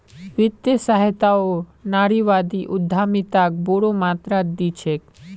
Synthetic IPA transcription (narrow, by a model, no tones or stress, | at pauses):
ʋɪt̪jəsaɦt̪aonaɾiʋad̪iʔʊd̪ʱːamit̪ak̚boɽomat̪ɾad̪it͡ʃʰek